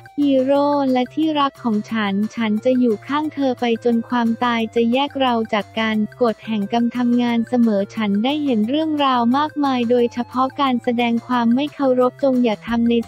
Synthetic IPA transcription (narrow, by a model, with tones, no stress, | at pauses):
hiː˧ɾoː˥˩nlɛ˦˥t̪ʰiː˥˩ɾa˦˥k̚kʰːɔː˩˦ŋt͡ɕʰa˦˥nt͡ɕʰa˦˥nt͡ɕa˨˩juː˨˩kʰaː˥˩ŋt̪ʰɤː˧pa˧jt͡ɕo˧nkʰwaː˧mt̪aː˧jt͡ɕa˨˩jɛː˥˩k̚ɾa˧wt͡ɕaː˨˩kːaː˧nko˨˩t̪̚hɛ˨˩ŋka˧mt̪ʰa˧mŋaː˧nsa˧mɤː˩˦t͡ɕʰa˦˥ndaː˥˩jɦe˩˦nɾɯ˥˩əŋɾaː˧wmaː˥˩k̚maː˧jdoː˧jt͡ɕʰa˧pʰɔ˦˥kaː˧nsa˧dɛː˧ŋkʰwaː˧mːa˥˩jkʰa˧˩wɾo˦˥p̚t͡ɕo˧ŋjaː˨˩k̚t̪ʰa˧mna˧j